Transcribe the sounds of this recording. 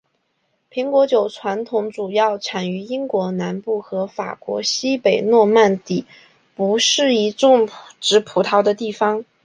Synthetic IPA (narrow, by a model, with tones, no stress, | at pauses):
pʰi˧˥ŋkwɔ˧˥t͡ɕjo˨˩ʊʈ͡ʂʰwa˧˥nt̪ʰʊ˧˥ŋʈ͡ʂu˨˩jɑ˥˩ʊʈ͡ʂʰa˨˩ny˧˥i˥ŋkwɔ˧˥na˧˥npu˥˩xɤ˧˥fa̰˨˩kwɔ̰˧˥ɕi˥pe˨˩ɪnwɔ˥˧ma˥˩nt̪i˨˩˦ | pu˧˥ʂɻ̩˥˩i˧˥ʈ͡ʂʊ˥˩ŋʈ͡ʂɻ̩˧˥pʰu˧˥t̪ʰɑ˧˥ʊd̪ə˧t̪i˥˩fɑ˥˩ŋ